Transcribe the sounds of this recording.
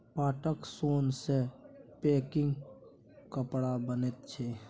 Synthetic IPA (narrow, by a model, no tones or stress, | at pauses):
paːʈəksoːnsepeːkɪ̃ŋɡ | kəpɽabənet̪̚t͡ʃʰe